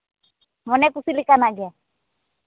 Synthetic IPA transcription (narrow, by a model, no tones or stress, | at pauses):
mɔnɛkusilikanaɡa